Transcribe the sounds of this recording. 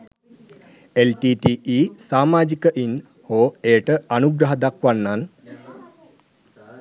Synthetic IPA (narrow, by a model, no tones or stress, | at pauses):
elʈiːʈiːiːsaːmaːd͡ʒikəʔin | hoːeːʈəanuɡɾaɦəd̪akʋanːan